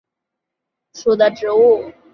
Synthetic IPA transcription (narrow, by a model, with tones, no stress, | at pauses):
ʂu˨˩d̪ə˦ʈ͡ʂɻ̩˧˥u˥˩